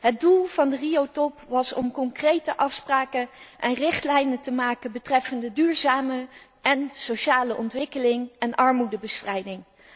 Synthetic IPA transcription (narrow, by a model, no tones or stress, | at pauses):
ɦət̚dulˠv̥ɑndəriowtɔpʋɑsɔ̰mkɔŋkrejtəʔɑfspraːkəʔɛnrɪχtlɛjnətəmaːkənbətrɛfəndədyːɹzaːmə | ɛnsowʃaːləʔɔntʋɪkəlɪŋɛnʔɑɹmudəbəstrɛjdɪŋ